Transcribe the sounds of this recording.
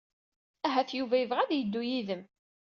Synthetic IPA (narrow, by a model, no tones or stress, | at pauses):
æɦæθjuvæjəvʁæðjəd̪ːujiðəm